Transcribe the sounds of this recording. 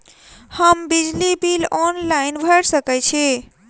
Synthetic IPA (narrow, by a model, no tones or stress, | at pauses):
həmbid͡ʒlibilɔnlainbʱəɾsəkɛt͡ʃʰi